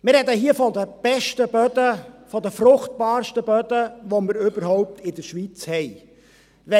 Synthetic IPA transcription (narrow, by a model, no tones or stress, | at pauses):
mɪɾhɛd̪əɦiəfɔd̪əb̥ɛʃtəbœd̪əfɔd̪əfɾʊχt̚bɑːɾʃtəbœd̪əʋoməɾʏbəɾɦɔwp̚t̪ʰɪd̪əɾʃʋit͡shɛɪ | ʋɛ